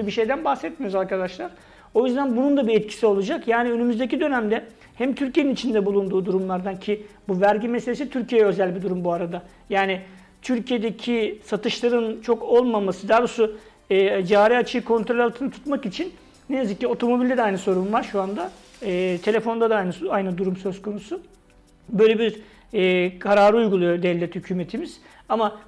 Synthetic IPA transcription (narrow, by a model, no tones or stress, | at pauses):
biʃe̞jd̪ænbaxsɛt̪̚mijozaɾkʰad̪aʃlˠaɾ̥ | o̞jyzd̪ænbunund̪abiɛt̪cʰi̥sio̞lˠud͡ʒakjaːniø̞nymyzd̪ec̬id̪ø̞næmd̪ɛ | hæmt̪ʰyɾcʰije̞ninit͡ʃʰind̪ɛbulˠund̪uːd̪uɾumlˠaɾd̪ancʰibuvæɾɟimese̞lʲesit̪ʰyɾcʰijejɛø̞zælʲbid̪uɾumbuaɾad̪a | jaːnɪ | t̪ʰyɾcʰije̞d̪ecʰisat̪ʰɯʃlˠaɾɯnt͡ʃʰo̞ko̞lˠmamasɯd̪aːɾosuː | d͡ʒaːɾiat͡ʃʰɯjɯkʰo̞nt̪ɾo̞lʲalˠt̪ʰɯnɯt̪ʰu̥t̪makit͡ʃʰin | neneziclʲɛo̞t̪ʰo̞mo̞bilʲd̪ɛd̪ɛajnɯso̞ɾumvaɾʃuand̪aɛːt̪ʰe̞lʲe̞fo̞nd̪ad̪aajnɯajnɯd̪uɾumsø̞zkʰo̞nusu | bø̞ːjlʲe̞biɾ | ɛːkʰaɾaːɾɯujɡulˠujo̞d̪ɛvlʲːɛt̪hycʰyːmet̪ʰimiz̥ | ama